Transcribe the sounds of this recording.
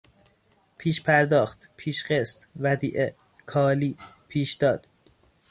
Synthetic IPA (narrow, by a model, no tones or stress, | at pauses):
pʰiːʃpʰæɾd̪ɒːxt̪pʰiːʃɢest̪væd̪iːʔe | kʰɒːliː | pʰiːʃd̪̥ɒːd̪̥